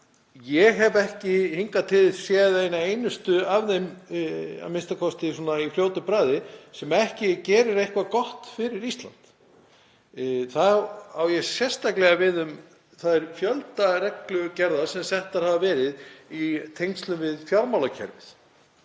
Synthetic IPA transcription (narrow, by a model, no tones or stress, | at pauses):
jɛɦɛvɛhcɪhiŋkat̪ʰɪðsjɛðejnaejnʏst̪ʏavðem | a̰mɪnst̪akʰɔst̪ɪs̬ɔːnaifljoːwt̪ʏpɾaːðɪsɛmɛhcɪcɛːɾʏɾejhkvakɔht̪fɪɾɪɾist̪la̰n̥t̪ | θaawjɛsjɛst̪aklɛɣavɪðʏm | θaðɛɾ̥fjœlt̪aɾɛklʏcɛɾðasɛmsɛht̪aɾ̥havavɛːɾɪðit̪ʰejŋst̪lʏmvɪðfjaɾmawlacʰɛ̰ɾvɪθ